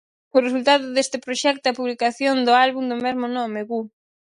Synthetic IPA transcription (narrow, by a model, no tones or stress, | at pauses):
ʊresult̪aðʊðest̪ɪpɾoʃɛk̚t̪oɐpuβlikaθjond̪ʊalβund̪omɛzmʊnɔmeɣu